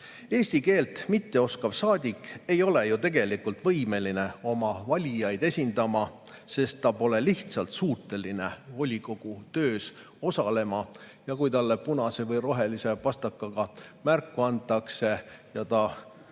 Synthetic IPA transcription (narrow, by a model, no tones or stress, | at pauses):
e̞ːsʲt̪ike̞ːlt̪ˑmit̪ːe̞o̞skɑb̥sɑːd̪̥ʲikːe̞jo̞le̞jut̪e̞ɡe̞likult̪vɤjme̞line̞o̞mɑvɑlʲijɑjd̪̥e̞sʲind̪̥ɑmɑ | se̞st̪ːɑpo̞le̞liht̪sɑlt̪suːt̪ːˑe̞line̞o̞lʲiko̞ɡ̥ut̪ø̞ːs | o̞sɑle̞mɑjɑkujt̪ɑlːepunɑsevɤjro̞ɦe̞lise̞pɑst̪ɑkːˑɑɡ̥ɑmærkːˑuɑnt̪ːˑɑkse̞jɑt̪ɑ